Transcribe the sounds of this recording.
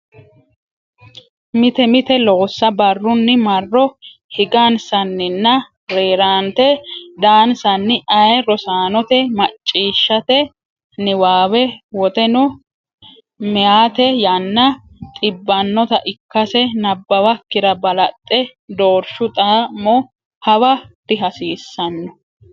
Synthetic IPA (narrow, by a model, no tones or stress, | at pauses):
mɪt̪ɛmɪt̪ɛloːsːɐbɐrːʊnːɪmɐrːɔ | hɪɡansɐnːɪnːɐ | ɾeːɾaːnt̪ɛd̪aːnsɐnːɪʔɐjɛɾɔsaːnɔt̪ɛmɐt͡ʃʼːiːʃːɐt̪ɛ | nɪwaːwɛwɔt̪ɛnʊ | mɛjaːt̪ɛjɐnːɐ | t̪ʼɪbːɐnːɔt̪ɐʔɪkːɐsɛnɐbːɐwɐkːɪɾɐbɐlɐt̪ʼːɛ | d̪oːɾʃʊt̪ʼamɔ | hɐwɐt̪ːɪɦɐsiːsːɐnːɔ